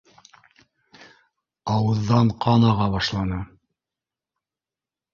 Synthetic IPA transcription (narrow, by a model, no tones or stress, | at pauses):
ɑwɤ̆ðːɑɴqʰɑnɑʁɑβɑʃlˠɑnɤ